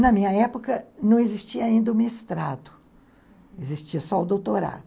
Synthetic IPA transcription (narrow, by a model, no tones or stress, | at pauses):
nɐmĩɲɐɛpokɐnɐ̃w̃ezist͡ʃiɐaĩnd̪ɐʊ̃mest̪ɾad̪ʊ̥ | ezist͡ʃiɐsɔʊd̪owt̪oɾa̰d̪ʊ